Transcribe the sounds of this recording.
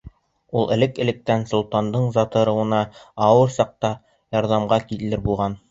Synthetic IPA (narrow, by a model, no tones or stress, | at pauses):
ulˠɘ̆lɘkɘ̆lɘ̆k̚t̪ænsŏlˠt̪ɑnd̪ɤɴzɑt̪ɤ̆ɾɤ̆wɤ̆nɑɑwɤɾsɑq̚t̪ɑ | jɑɾðɑmʁɑkit̪ɘ̆lɘɾbulˠʁɑn